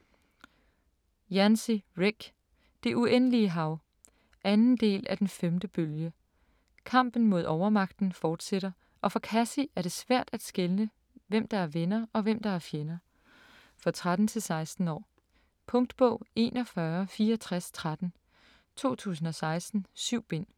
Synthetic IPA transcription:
jænsiʁeɡ̥ | d̥e̝ʔuʔen̰əliəɦɑ̈ʊ | ʔænn̩d̥e̝̰ːlæd̥enfemd̥əb̥øljə | kʰɑ̈m̰b̥n̩mo̝ð̞ˠɒʊɐmɑ̈ɡ̥d̥n̩fɒːd̥seɾ̥ɐ | ʔɒ̽fɒ̽kʰæsiʔæɐɾ̥e̝sʋæɐ̰d̥æd̥sɡ̥elnə | ʋem̰d̥ɑ̈æɐʋenɐɒ̽ʋem̰d̥ɑ̈æɐfjenɐ | fɒt͡sʰʁad̥n̩t͡sʰe̝lsɑ̈ɪsd̥n̩ɒ̰ː | pʰɔ̽ŋd̥b̥ɔ̰̽ʊ̰e̝̰ːnʔɒ̽fɶɐfiːɐɒt͡sʰʁast͡sʰʁad̥n̩ | t͡sʰo̝̰ːt͡sʰṵːs̬n̩ɒ̽sɑ̈ɪsd̥n̩syʊ̰b̥e̝n̰

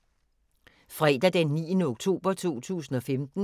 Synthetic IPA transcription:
fʁɛːd̥æd̥enːḭːənəoɡ̥t͡sʰo̝̰ːb̥ɐt͡sʰo̝̰ːt͡sʰṵːs̬n̩ɒ̽femd̥n̩

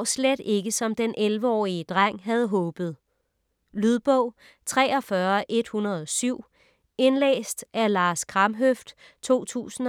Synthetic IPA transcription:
sled̥e̝ɡ̥əsɒ̽md̥enʔelʋəɒ̰ːiəd̥ʁaŋ̰ɦæð̞ˠɦɔ̽ːb̥ð̩ˠ | lyð̞ˠb̥ɔ̽ʊ̰ | t͡sʰʁɛ̰ːɒ̽fɶɐʔe̝d̥hunɐð̞ˠɒ̽syʊ̰ | e̝nlḛːsd̥ælɑ̈ːskʰʁɑmɦøfd̥ | t͡sʰo̝̰ːt͡sʰṵːsn̩

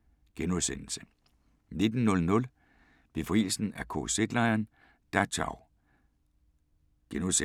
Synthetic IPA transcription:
ɡ̥enuðˠsen̰l̩sə̥ | ne̝d̥n̩ːɔ̽lnɔ̽l | b̥e̝fʁḭːl̩sn̩ækʰo̰se̝ɡ̥lɑ̈ɪɐn | d̥æt͡ɕʰɑ̰ʊ | ɡ̥enuse

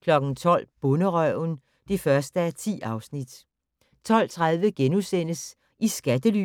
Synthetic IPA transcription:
kʰlɒ̽ɡ̥n̩t͡sʰɒ̽l̰b̥ɔ̽nəʁœʊn | d̥e̝fɶɐsd̥əæɐt͡sʰḭːɑ̈ʊsnid̥ | t͡sʰɒ̽l̰t͡sʰʁað̞ˠʋəɡ̥enusen̰əs | isɡ̥æd̥əly

